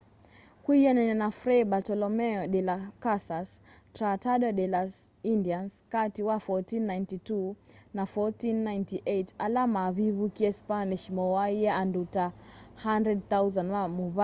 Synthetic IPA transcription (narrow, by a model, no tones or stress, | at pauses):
kwijɔnɛnɛnafɾɛbatɔlɔmɛɔɗɛlakasastɾatadɔdɛlasindianskatiwafɔtinːajntitunafɔtinːajntiʔejtalamaβiβukiɛspaniʃmɔwaiɛandutahandɾɛd̚θawzanwamuβa